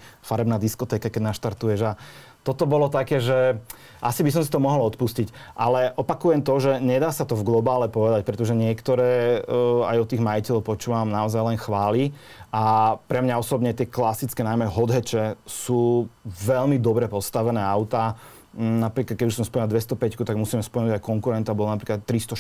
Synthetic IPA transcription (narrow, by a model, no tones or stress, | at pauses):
faɾɛbnaːd̪iskɔt̪ɛːkakɛɟnaʃt̪aɾt̪ujɛʒa | t̪ɔt̪ɔbɔlɔt̪akɛːʒɛ | ʔasibis̬ɔmsi̥t̪ɔmɔɦɔlɔt̪puscic | ʔalɛʔɔpakujɛmt̪ɔʒɛɲɛd̪aːsat̪ɔvɡlɔbaːlɛpɔʋɛd̪ac̚pɾɛt̪ɔʒɛɲɪɛkt̪ɔɾɛː | ajɔt̪iːɣmaicɛʎɔʊpɔt͡ʃuːʋamnaɔzajlɛnxʋaːli | ʔapɾɛmɲaɔsɔbɲɛt̪ɪɛklasit͡skɛnajmɛɦɔd̪ɦɛt͡ʃɛsuːʋɛʎmid̪ɔbɾɛpɔst̪aʋɛnɛːaʊt̪a | napɾiːklad̪̚kɛuʃsɔmspɔɲɛld̪ʋɛst̪ɔpɛckut̪aɡmusiːmɛspɔlnuɟajkɔŋkuɾɛnt̪ɔabɔlɔnapɾiːklat̪ːɾist̪ɔ